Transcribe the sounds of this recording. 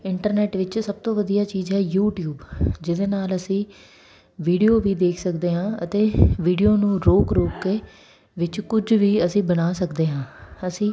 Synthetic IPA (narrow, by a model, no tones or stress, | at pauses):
ɪɳʈəɾnɛːʈʋɪt͡ʃsəb̚t̪õːʋəd̪ijaːt͡ʃiːzɦɛːjuːʈjuːbd͡ʒɪd̪eːnaːləsĩː | ʋiːɖijoːʋiːd̪eːkʰsəkd̪eːɦãːət̪eːʋiːɖijoːnũːɾoːkɾoːkːeː | ʋɪt͡ʃkʊd͡ʒʋiːəsĩːbənaːsəkd̪eːɦãːəsĩː